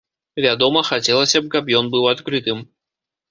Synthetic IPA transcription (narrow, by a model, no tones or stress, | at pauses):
vʲad̪ɔmɐxat͡sʲɛlˠɐsʲɐp̚kapjɔnbɨwat̪kɾɨt̪ɨm